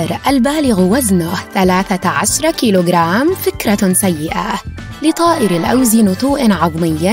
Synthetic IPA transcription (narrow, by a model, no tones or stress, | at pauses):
ɾˤʔalbaːlɪɣwaznʊhθalaːθaʕaʃɾˤkiːloːɡɾˤaːmfɪkɾˤɑsajːɪʔa | lɪt̪ˤɑːʔɪɾalʔa̰wzinʊt̪ˤuːʔnʕɑðˤmɪjːa